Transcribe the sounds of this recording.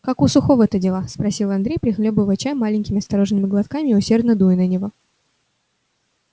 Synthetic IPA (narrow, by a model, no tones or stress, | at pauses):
kakʊsʊxovət̪ədʲɪlˠaspɾɐsʲilˠɐnd̪ɾʲejpɾʲɪxlʲobɨvət͡ɕamalʲɪnʲkʲɪmʲɪɐst̪ɐɾo̞ʐnɨmʲɪɡlˠɐt̪kamʲɪːʊsʲe̞rd̪nəd̪ujɪnənʲɪvo̞